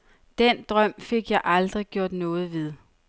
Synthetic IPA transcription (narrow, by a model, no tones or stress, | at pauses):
d̥end̥ʁɶm̰fe̝ɡ̥jɑ̈ɪʔɑ̈ld̥ʁiɡ̥jo̝ɐ̰d̥nɔ̽ːð̞̩ˠʋe̝ð̞ˠ